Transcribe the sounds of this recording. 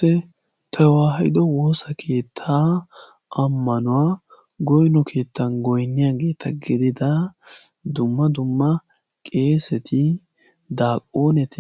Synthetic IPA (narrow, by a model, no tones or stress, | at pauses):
ɛ | t̪ʰɐwaːɦɐjɪ̰d̪ɔwo̞ːsɐkʰe̞ːt̪ʰːaː | ʔɐmːɐnʊwaː | ɡɔjnɔkʰe̞ːt̪ːɐnɡɔjnːɪjaːɡe̞ːt̪ʰɐɡɪd̪ɪd̪ɐ | d̪ʊmːɐd̪ʊmːɐ | kʼe̞ːsɛt̪ʰɪ | d̪aːkʼːoːnɛt̪ɪ